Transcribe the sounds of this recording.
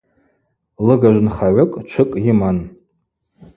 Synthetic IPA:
lɨɡaʒʷnχaʕʷʊkʼt͡ʃʷʰɨkʼjiman

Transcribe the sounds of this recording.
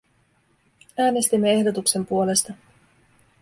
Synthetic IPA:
æːne̞st̪imːe̞e̞hdo̞t̪ukse̞mpuo̞le̞st̪ɑ

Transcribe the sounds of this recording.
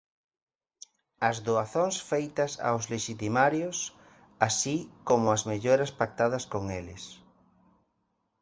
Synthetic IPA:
ɐzðoaθoŋsfejt̪ɐsa̰wzleʃit̪imaɾjos | asikomʊɐzmeʎoɾɐspak̚t̪aðɐskoŋelɪ̰s

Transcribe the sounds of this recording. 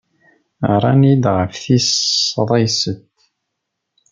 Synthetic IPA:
ɾˤɑnid̪ʁəfθisðˤɑjsət̪

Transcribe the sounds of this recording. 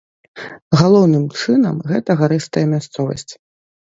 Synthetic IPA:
ɣalˠɔwnɨmt͡ʂɨnɐ̰mɣɛt̪ɐɣaɾɨst̪ɐjɐmʲast̪sɔvɐ̰sʲt͡sʲ

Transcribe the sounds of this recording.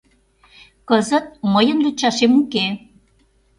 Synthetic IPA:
kəzə̆t̪̚məjənrut͡ɕɑʃemuke

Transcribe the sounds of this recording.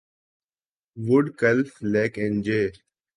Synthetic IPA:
ʋʊɖkəlfleːkẽnd͡ʒeː

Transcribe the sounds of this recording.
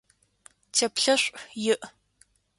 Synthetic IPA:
tʰeːpɬɐɕʷʼjɪʔ

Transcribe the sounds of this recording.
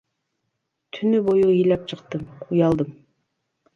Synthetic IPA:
t̪ʰynybojuijlɛp̚t͡ʃʰəqt̪ɨmʰujɑlˠd̪ɨm

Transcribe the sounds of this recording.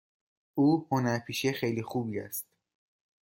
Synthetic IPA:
ʔuːhonæɾpʰiːʃexejliːxuːbiːæ̰st̪̚

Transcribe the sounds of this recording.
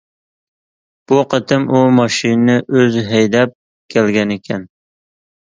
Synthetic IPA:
b̥uqʰət̪ʰɪmumɑʃinnɪʔøzɦɛjd̪ɛp̚ | kʲʰælɡʲɛnekʲʰɛn

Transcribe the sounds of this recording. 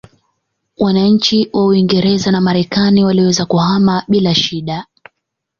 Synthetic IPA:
wanaɲ̩t͡ʃiwʔauiŋɡɛɾɛzanamaɾɛkaniwaliwɛzakuhamaɓilaʃiɗa

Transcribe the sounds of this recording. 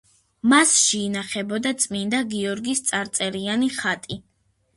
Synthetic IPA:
masʃɛinaχɛbɔd̪at̪sʼmind̪aɡiɔɾɡist̪sʼaɾt̪sʼɛɾianiχat̪ʼi

